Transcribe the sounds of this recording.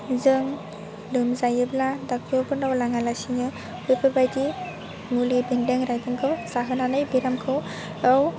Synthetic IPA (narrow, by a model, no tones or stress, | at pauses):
zɯŋ | lɯmzajɯbladak̚ʰɔbɯnawlaŋalasiŋɯ | bɯpʰɯbajdi | mulibindeŋɾajdɯŋkʰɯwsaɦɯnanɯjbiɾamkʰɯw | aw